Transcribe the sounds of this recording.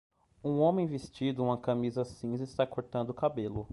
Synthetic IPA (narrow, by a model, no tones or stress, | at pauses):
ũõmẽj̃vest͡ʃid̪ʊũmɐkamizɐsĩzɪst̪akoɾt̪ɐ̃nd̪ʊkabelʊ